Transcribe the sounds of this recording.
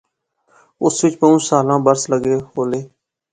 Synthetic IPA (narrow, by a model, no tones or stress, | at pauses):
ʊsʋɪt͡ʃpəũːsaːlãːbəɾsləɡeːɦoːleː